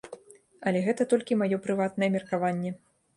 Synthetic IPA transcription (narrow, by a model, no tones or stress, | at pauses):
ɐlʲɛɣɛt̪ɐt̪ɔlʲkʲimajɔpɾɨvat̪nɐjɛmʲɛrkavanʲːɛ